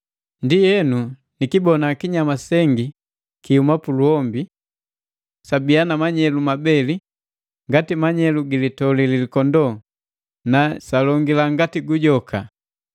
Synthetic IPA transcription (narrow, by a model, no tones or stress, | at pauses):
ndijɛnu | nikibɔnakiɲamasɛŋɡi | kihumapuluɔmbi | sabianamaɲɛlumabɛli | ŋɡatimaɲɛluɡilitɔlililikɔndɔ | nasalɔŋɡilaŋɡatiɡuɟɔka